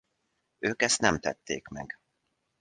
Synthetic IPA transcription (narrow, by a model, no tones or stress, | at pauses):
øːkɛst̪nɛmt̪ɛt̪ːeːkmɛ̰ɡ